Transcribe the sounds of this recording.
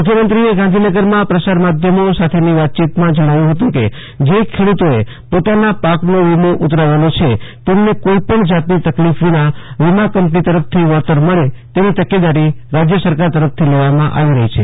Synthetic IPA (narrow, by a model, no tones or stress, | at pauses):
mukʰjəmənt̪ɾieɡãnd̪ʱinəɡəɾmãpɾəsaɾmad̪ʱjəmosat̪ʰeniʋat̪̚t͡ʃit̪mãd͡ʒəɽ̃aʋjũɦət̪ũke | d͡ʒekʰeɽut̪oe | pot̪anapaknoʋimoʔut̪ɾaʋəlot͡ʃʰet̪emnekoipəɳd͡ʒat̪nit̪əklifʋinaʋimakəmpnit̪əɾəf̚ʰt̪ʰiʋəɾt̪əɾməɭet̪eʋit̪əked̪aɾiɾad͡ʒjəsəɾkaɾt̪əɾəft̪ʰileʋamãʔa̰ʋiɾəɦit͡ʃʰe